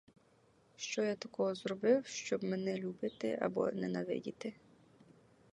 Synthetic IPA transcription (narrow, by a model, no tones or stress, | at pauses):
ʃt͡ʃɔjat̪ɐkɔɦɔzrɔbɪwʃt͡ʃɔbmɛnɛlʲubɪt̪ɪ̰ʔɐ̰bɔ̰nɛnɐʋɪ̰dʲit̪ɪ